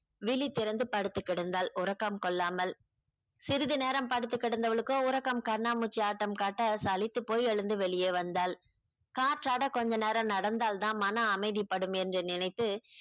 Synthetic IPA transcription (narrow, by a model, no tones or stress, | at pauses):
ʋɪɭit̪ːɪɾɐnd̪ɯpɐɽɯt̪ːɯkːɪɽɯnd̪aːlʊɾɐkːɐmkɔɭːaːmɐl | sɪɾɯðɯneːɾɐmpɐɽɯt̪̬ːɯkːɪɽɯnd̪ɐʋɐɭɯkːoːʊɾɐkːɐmkɐɾnaːmut͡ʃːiaːʈːɐmkaːʈːɐsɐlɪt̪ːɯpːoːjɛɭɯnd̪ɯʋɛɭɪjeːʋɐnd̪aːl | kaːʈraːɽɐkɔɲd͡ʒɐneːɾɐmnɐɽɐnd̪aːlt̪ãːmɐnɐːmɐɪðipːɐɽɯmɛndrɛnɪnɐɪt̪ːɯ